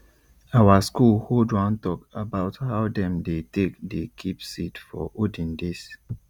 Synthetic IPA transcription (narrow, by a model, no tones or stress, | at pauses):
awaskulhodwãntɔkabaʊthaʊdɛ̃mdetek̚dekʰipsitfɔ̰ʔodĩndes